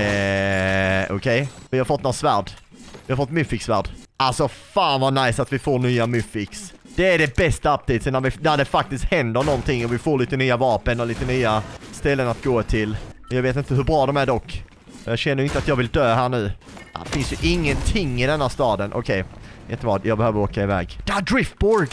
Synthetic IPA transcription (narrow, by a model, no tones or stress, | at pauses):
ɛ | ɔ̰kʰɛjvɪhaɾfɔt̪ːnɔsvæːɖ | vɪhaɾfɔt̪ːmɵfɪksvæ̰ːɖʔalsɔfaːnvanajsat̪vɪfoːɳyːamɵfɪksd̪̥ɛæɖɛbɛst̪aap̚t̪ʰiːt̪sɛnːæɾvɪnæɖɛfak̚t̪ɪst̪hɛnd̪əɳɔnt̪ɪŋːɔvɪfoːɭiːt̪ənyːavɑːpənɔliːt̪ənyːast̪ɛlːənat̪̚ɡoːt̪ʰɪlɔjɑːɡveːt̪̬ɪnt̪əɦɵbɾɑːd̪ɔmæɖɔkː | ɔjɑːɡɕɛnːəɾɪnt̪əat̪jɑːɡvɪld̪øːɦæːɳʉ̟ː | fɪnsjɵʔɪŋːənt̪ʰɪŋːɪd̪ɛnhæːst̪ɑːd̪ənʔɔ̰kʰɛjjɛ̰t̪ːəbɾɑ̰ːd̪jɑːɡbɛhøːvəɾoːkaɪvɛ̰ːɡd̪̥æd̪ɾɪft̪̚bɔɾɡ